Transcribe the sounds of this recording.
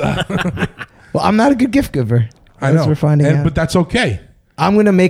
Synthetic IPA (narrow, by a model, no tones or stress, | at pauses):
wɛlˠã̰ɪ̃mnəɾɨɡʊd̚ɡɪft̚ɡ̥ʊvə˞ | aɪzwəɹfãɪ̃ndɪ̃ɨ̃nabʌt̪̚ðætsoʊkʰeɪ | ʔãɪ̃mɡʌnɨmeɪ